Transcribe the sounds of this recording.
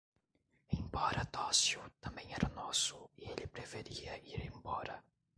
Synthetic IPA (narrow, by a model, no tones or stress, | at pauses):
ẽj̃bɔɾɐt̪ɔsjʊt̪ɐ̃mbẽj̃ɛɾʔɐnɔsʊielɪpɾefeɾiɐiɾẽj̃bɔɾɐ